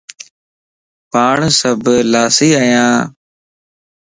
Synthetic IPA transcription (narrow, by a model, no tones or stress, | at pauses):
paːɳsəbʱlaːsiːaːjãː